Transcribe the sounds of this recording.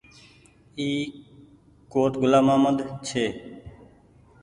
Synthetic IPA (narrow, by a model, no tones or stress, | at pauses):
iː | koːʈ̪ɡʊlaːmãːməd̪t͡ʃʰeː